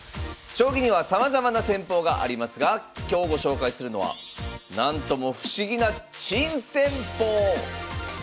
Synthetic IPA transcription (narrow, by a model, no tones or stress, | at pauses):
ɕo̞ːɡʲiɲ̟iβasamazamanasẽ̞mpo̞ːɡaʔa̰ɾʲimasɨɡakʲo̞ːɡo̞ɕo̞ːkaisɨɾɯ̟no̞βa̰nãnt̪o̞mo̞ɸɯ̟̥ɕiɡʲinat͡ɕĩɰ̃sẽ̞mpoː